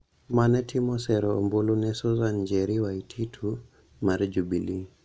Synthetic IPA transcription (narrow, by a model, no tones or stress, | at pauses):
manɛtʰimɔsɛɾɔmbulunɛsɔzand͡ʒɛɾiwaitʰitʰu | maɾid͡ʒubili